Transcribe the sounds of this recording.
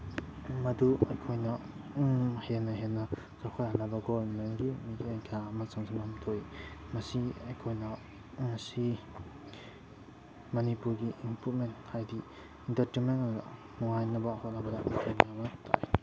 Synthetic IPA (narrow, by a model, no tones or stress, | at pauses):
mɐduɐjkʰojnɐ | henɐɦenɐ | zawkʰaɾanɐbɐɡobɐmenɡimidenkʰamɐsɐŋsʰamɐmtʰoimɐsiɐjkʰojnɐ | mɐsi | mɐnipuɾɡiʔːmpɾut̚menthajdi | intɐɾtenmenn̰ | nɔŋajnɐbɐhot̚nɐbɐdɐmkʰenamɐtʰa̰j